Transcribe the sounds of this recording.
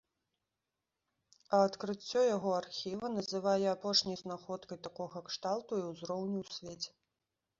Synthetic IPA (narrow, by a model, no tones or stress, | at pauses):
ɐːt̪kɾɨt͡sʲːɔjaɣɔarxʲivɐnɐzɨvajɛapɔʂnʲɐjznaxɔt̪kɐjt̪akɔɣɐkʂt̪alˠt̪uiwzɾɔwnʲiwsʲvʲet͡sʲɛ̥